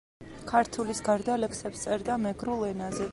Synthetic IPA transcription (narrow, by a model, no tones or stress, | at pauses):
kʰaɾt̪ʰulisɡaɾd̪alɛkʰsɛpst̪sʼɛɾd̪amɛɡɾulˠɛnazɛ